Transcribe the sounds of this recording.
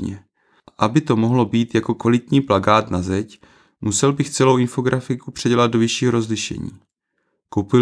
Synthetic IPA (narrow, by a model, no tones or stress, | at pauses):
ɛ | ʔabɪt̪o̞mo̞ɦlo̞biːt̪jako̞kvalɪt̪ɲiːplaɡaːt̪nazɛc | musɛlbɪxt͡sɛlo̞wɪnfo̞ɡɾafɪkupr̝̥ɛɟɛlad̪̚do̞vɪʃiːɦoɾo̞zlɪʃɛ̰ɲḭː | kowpɪ